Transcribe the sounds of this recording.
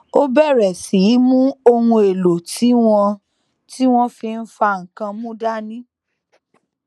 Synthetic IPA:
o˦bɛ˦˨ɾɛ˨si˨˦mũ˦o˧hũ˧e˨lo˨tʰi˨˦w̃ɔ̃˧ | ti˦w̃ɔ̃˦fi˧n̩˦fa˧˨ŋ̩˨kã˧mũ˦da˦nĩ˦

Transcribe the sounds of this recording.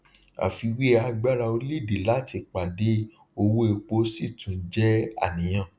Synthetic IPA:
a̰˨fi˨˧wi˦a˧ɡ͡ba˦ɾa˧o˧li˦˨de˨la˦˨ti˨˧˨k͡pa˨de˨˦ | o˧wo˦e˧k͡po˧˦si˦˨tũ˨˦d͡ʒɛ˦a̰˦˨nĩ˨j̃ã˦˨

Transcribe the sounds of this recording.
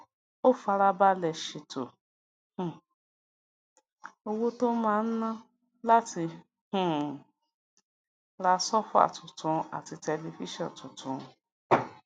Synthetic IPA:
o˦fa˧ɾa˧ba˦lɛ˧˨ʃi˨to˨ | h̩˨ | o˧wo˦to˦mãː˦˧n̩˦nã˦ | la˦tʰi˧ | h̩˦˨ | ɾa˧˦sɔ˦fu˦a̰˦˨tu˨tũ˨˧a̰˨ti˧tɛ˧li˧fi˦ʃɔ̰̃˦˨tu˨tʰũ˨˦˧

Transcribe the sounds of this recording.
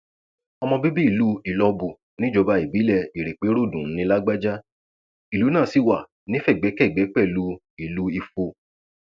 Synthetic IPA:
ɔ˧mɔ̃˧bi˦bi˦i˦˨lu˨˦i˨lɔ˧bu˧˨ | nĩ˦d͡ʒɔ˨˧ba˧i˦˨bi˨˦lɛ˦˨i˨ɾe˨k͡pe˨˦ɾo˦˨dũ˨˦nĩ˧˦la˦ɡ͡ba˦d͡ʒa˦ | i˨lu˨˦nãː˦˨si˦˨wa˨ | nĩ˨˦fɛ˦˨ɡ͡bɛ˨˦kɛ˦˨ɡ͡bɛ˨˦k͡pɛ˦˨lu˨˦ | i˨lu˨˦i˧fo˧

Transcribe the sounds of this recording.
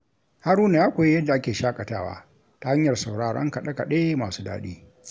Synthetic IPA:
ha˦ɾuː˦na˨jaː˦kʷoː˨je˦jɐ˦dːa˨ʔa˦kʲeː˨ʃaː˦kʼɐ˨taː˦wa̰ː˦ | ta˦ha˦ɲjɐ˨rsa˨wɽaː˨ɽɔ̰˦ŋka˨ɗɐ˦ka˨ɗe˦maː˨suː˦da̰ː˦ɗḭː˦

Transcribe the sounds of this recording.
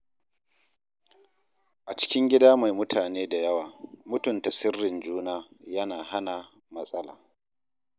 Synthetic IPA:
ʔa˨t͡ʃɪ̥˦kʲɪ˦ŋɡʲɪ˦daː˦ma˨jmʊ˦tʰaː˨neː˦da˨jɐ˦waː˨mʊ˦tʊ˨nta˨sɪ˦rːɪ˨nd͡ʒuː˦naː˦jɐ˦naː˨ha˦na˨ | mɐ˦sʼɐ˦la̰ː˨

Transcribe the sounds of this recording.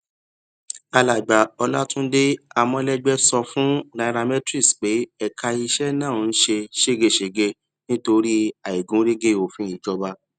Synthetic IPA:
a˧la˨ɡ͡ba˨ɔ˧la˦tũ˦de˦a˨mɔ̃˧lɛ˦ɡ͡bɛ˦sɔ˧fũ˦na˨˦ɾa˧mɛ˦tɾi˦˨sk͡pe˨˦ɛ˨kʰa˧i˧ʃɛ˦nã˦˨n̩˦ʃe˧ʃe˦ɡe˧ʃe˨ɡe˧ | nĩ˦to˧ɾi˦a˨i˨ɡũ˨˦ɾe˦ɡe˦o˨fĩ˨˦i˨d͡ʒɔ˧ba˧

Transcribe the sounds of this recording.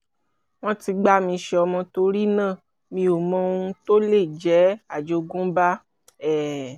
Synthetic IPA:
w̃ɔ̃˦ti˧ɡ͡ba˦mĩ˧ʃɛ˧ɔ˧mɔ̃˧to˧ɾi˦nãː˦˨ | mĩ˧o˨mɔ̃˧˦˧ũ˧to˦le˦˨d͡ʒɛ˨˦a˦˨d͡ʒo˧ɡũ˦ba˦ | ɛ˦˨

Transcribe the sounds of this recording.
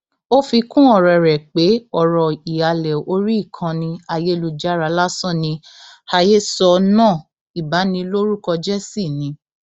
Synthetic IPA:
o˦fi˧kũ˦ɔ˨ɾɔ˨ɾɛ˨k͡pe˨˦ɔ˦˨ɾɔ˨i˨a˨lɛ˨o˧ɾi˦i˦˨kʰã˧nĩ˧a˧je˦lu˧˨d͡ʒa˦ɾa˨˧˦la˦sɔ̃˦˨nĩ˧ | ha˧je˦sɔ˧nãː˦˨ | i˨ba˨˦nĩ˧lo˦ɾu˦kɔ˧d͡ʒɛ˦si˦˨nĩ˨˧

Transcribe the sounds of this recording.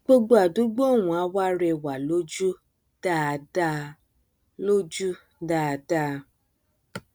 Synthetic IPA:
ɡ͡bo˦ɡ͡bo˦a˨du˨˦ɡ͡bo˦o˦˨w̃ũ˨a˨˦wa˦ɾɛ˧˨wa˨lo˦d͡ʒu˦ | d̥a˦˨da˦ | lo˦d͡ʒu˦ | da˦˧da˦

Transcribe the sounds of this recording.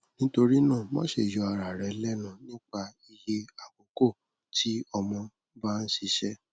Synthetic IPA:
nĩ˦to˧ɾi˦nãː˦˨mɔ̃˦ʃe˨jɔ˧a˨ɾa˨ɾɛ˨˦lɛ˦nũ˨nĩ˦k͡pa˧i˧je˦a˦˨k͡po˨˦ko˦˨ | ti˦ɔ˧mɔ̃˧ | ba˦˧n̩˦ʃi˧ʃɛ˦

